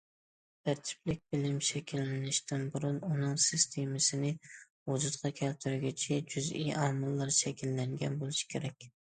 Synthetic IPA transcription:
æɾt̪ʰɪ̥p̚lɪk̚ʲbɪlɪmʃɛkʲilːɪnɪʃt̪ʰɪnbuɾʊnunɨŋsɪst̪ʰemɪsɪnɪ | ozɨt̪qʰɑkʲʰælt̪ʰɪɾɡʲit͡ʃʰɛd͡ʒyzijɑːmɨlˠːɨɾʃɛkʲilːæŋɡʲɛnbolˠɪʃi̥kʲʰeɾɛkʲ

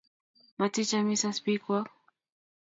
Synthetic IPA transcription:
batit͡ʃamisaspikwa

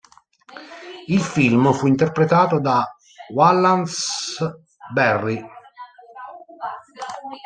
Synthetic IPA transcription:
ilfilmfuint̪erpɾet̪aːt̪od̪a | walːans | bɛrːi

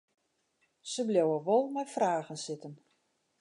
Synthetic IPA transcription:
səbljowəʋɔlˠmɛjfraːɣənsɪtən

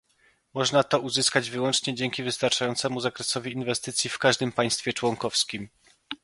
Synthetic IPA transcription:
mɔʐnat̪ɔuzɘskad͡ʑvɘwɔnt͡ʂɲɛd͡ʑɛŋkʲivɘst̪aɾt͡ʂajɔnt̪sɛmuzakɾɛsɔvʲiːnvɛst̪ɘt̪sʲjifkaʐd̪ɘmpaj̃st̪fʲjɛt͡ʂwɔŋkɔfskʲim

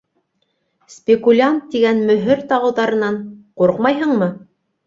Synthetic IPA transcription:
sʲpʲɪkulʲant̪ːiɡænmɵ̆ɦɘɾt̪ɑʁɤ̆wðɑɾɤ̆nɑɴquɾqmɑjɦɤɴmɤ

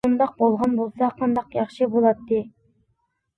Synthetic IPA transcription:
ond̪ɑq̚bolˠʁɑnbolˠsɑqʰɑnd̪ɑqjɑχʃɨbolˠɑt̪ːɨ

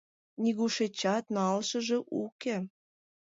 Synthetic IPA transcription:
niɣuʃet͡ɕɑt̪nɑlʃə̆ʒĕʔuke

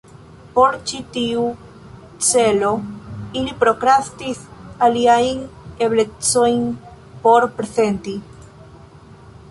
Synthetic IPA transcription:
po̞ɾt͡ʃit̪iu | t͡seloilipɾokɾast̪isaliajneβlekt͡sojn | poɾpɾesent̪i

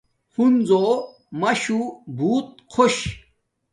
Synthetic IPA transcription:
hund͡zoː | mɐɕubʱuːt̪̚ | kʰoɕ

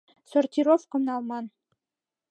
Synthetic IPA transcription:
sŏrt̪ʲiɾofqɤ̆mnɑlˠmɑn

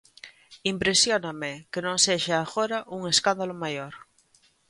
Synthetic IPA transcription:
impɾesjonamekenõŋseʃaːɣoɾaʔuŋeskand̪alomajoɾ

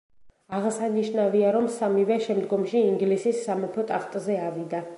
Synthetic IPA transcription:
aʁsaniʃnaviaɾɔmsamivɛʃɛmd̪ɡɔmʃiːŋɡlisisːamɔpʰɔt̪ʼaχt̪ʼzɛavid̪a

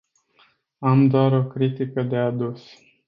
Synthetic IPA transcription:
amd̪oaɾo̞kɾit̪ikəd̪e̞ad̪us

